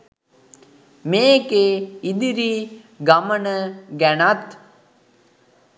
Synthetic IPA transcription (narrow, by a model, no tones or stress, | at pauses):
meːkeid̪iɾi | ɡamənəɡænat̪